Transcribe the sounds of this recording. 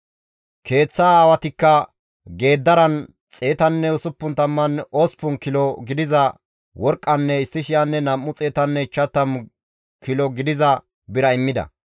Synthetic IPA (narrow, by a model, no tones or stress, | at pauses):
kʰe̞ːt͡sːaːwɐt̪ɪkːɐ | ɡe̞ːd̪ːɐɾɐn | t͡sʼe̞ːt̪ɐnːɛʊsʊpːʊnt̪ɐmːɐnospʊnkɪlɔɡɪd̪ɪzɐ | wɔɾkʼːɐnːɛɪsːɪʃɪjɐnːɛnɐmːʊt͡sʼe̞ːt̪ɐnːɛɪt͡ʃːɐt̪ːɐm | kɪlɔɡɪd̪ɪzɐ | bɪɾɐɪmːɪd̪ɐ̰